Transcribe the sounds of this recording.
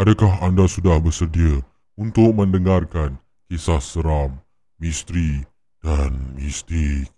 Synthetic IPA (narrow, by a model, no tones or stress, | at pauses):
ʔadakaɦandasudahbəsərdiə | unt̪ʊk̚mə̃ndəŋarkan | kesahsəɾamː | ist̪ɾi | danmist̪ik̚